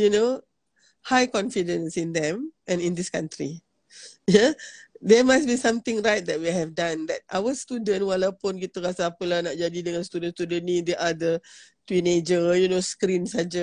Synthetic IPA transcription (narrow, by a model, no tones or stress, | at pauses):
juno | hajkɔ̃nfidə̃nsĩnd̪ɛ̃mʔɛ̃nĩnd̪iskãntɾi | jad̪ɛmasbisãmt̪ɪ̃ŋɹajt̚d̪ɛt̚wiɦɛvdãnd̪ɛt̚ʔa̰wəst̪udə̃nwalawpʊnk̬it̪əɾasaapəlahnaʔ̚d͡ʒadidəŋãnst̪udə̃nst̪udə̃nnĩdeʔad̪ətined͡ʒəjunoskɾĩnsad͡ʒə